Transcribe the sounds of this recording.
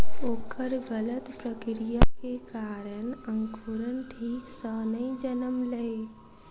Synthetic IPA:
oːkʰəɾɡələt̪pɾəkɾijakekaːɾənə̃ŋkʰuɾənʈʰiːksəːnəĩd͡ʒənəmlɐe

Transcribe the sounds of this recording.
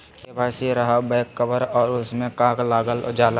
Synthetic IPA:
kebʱaːsiɾɐɦabɛːkːəbəɾɔːɾʊsmẽkãːklaːɡəl̰d͡ʒaːla

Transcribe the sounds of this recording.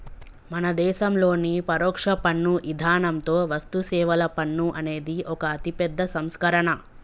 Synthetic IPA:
mɐnɐd̪ɛːʃɐmlo̞ːnipɐɾɔːkʂɐpɐɳːuʔid̪ʱaːɳɐmt̪o̞ːʋɐst̪usɛːʋɐlɐpɐɳːuʔɐne̞ːd̪iʔɔkɐːt̪ipɛd̪ʱːɐsɐmskɐɾɐɳɐ

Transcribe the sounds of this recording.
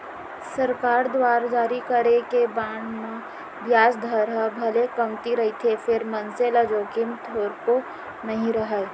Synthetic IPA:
sɐɾkaːɾd̪waːɾd͡ʒaːɾikəɾekebãːɳmẽ | bjaːsd̪ʱəɾɦəbʱɐlekɐmt̪iɾɐɦit̪ʰefʰɪɾmɐnselɐd͡ʒoːkɪmt̪ʰoːɾko | nɐɦĩɾɐɦə

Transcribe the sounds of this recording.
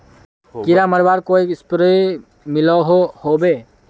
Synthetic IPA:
kiɾaməɾbaɾkoispɾə | milɔɦohobe

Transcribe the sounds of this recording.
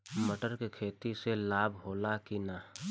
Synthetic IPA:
məʈəɾkekʰeːt̪iselaːbʱɦoːlakina

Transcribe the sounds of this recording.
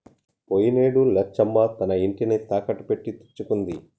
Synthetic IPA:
pojineːɽulɐt͡ʃːɐmbaːt̪ɐnɐiɳʈinit̪aːkɐʈːupe̞ʈːit̪i̥t͡ʃːukund̪i

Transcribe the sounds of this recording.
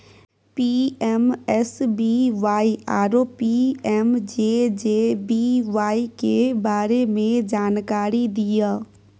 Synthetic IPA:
piɛmɛsbiʋaːiaːɾoːpiɛmd͡ʒeːd͡ʒeːbiʋaːikebaːɾemẽd͡ʒaːnkaːɾid̪ijaː

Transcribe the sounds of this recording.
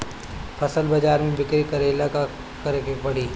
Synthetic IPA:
fʰɐsəlbɐd͡ʒaːɾmẽbɪkɾikɐɾeːlaka | kɐɾekebɐɽ̤iː

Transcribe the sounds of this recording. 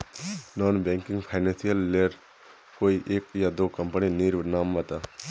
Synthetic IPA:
nɔːnbɛ̃ːŋkɪ̃ŋɡpʰaɪnɛ̃nsijəlːeɾ | koːiʔeːkjad̪oːkəmpəniniːɾʋnaːmːət̪aː

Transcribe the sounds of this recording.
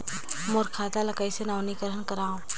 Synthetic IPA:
moɾkʰaːd̪alɐkaisenaːnikəɾənkəɾaːɦũː

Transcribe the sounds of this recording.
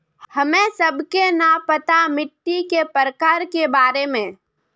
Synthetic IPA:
hɐmẽsɐbkenapət̪amɪʈːikepəɾəkaːɾkebaːɾemẽː

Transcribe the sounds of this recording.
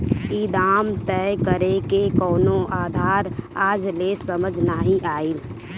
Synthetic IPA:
id̪aːmt̪ɛjkəɾekekɔːnoʔaːd̪ʱaːɾaːd͡ʒlesəməd͡ʒʱnaːɦiʔaːiːl

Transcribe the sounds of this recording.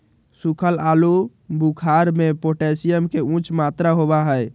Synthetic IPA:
sukʰəlalu | bukʰaɾmepoʈesijəmkeũt͡ʃʰmat̪ɾaɦobaɦəj

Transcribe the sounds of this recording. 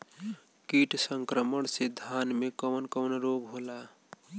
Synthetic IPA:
kiʈsəŋkɾəməɳsed̪ʱjanmekəwnkəwnɾoɡɦola

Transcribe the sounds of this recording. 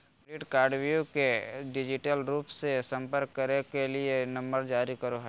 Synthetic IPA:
ɾiʈkaːɾɖʋjukeɖɪd͡ʒɪʈəlɾuːpsesɐ̃mpəɾkːɐɾekelienɐ̃mbəɾd͡ʒaːɾikɐɾoɦɛː

